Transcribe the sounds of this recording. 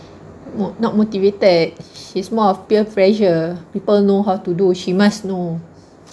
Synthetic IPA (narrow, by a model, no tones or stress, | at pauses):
monɔt̚motivetəd̚ʃismɔɔfpiəpɹɛʃəpipəlnoɦawtuduʃimasno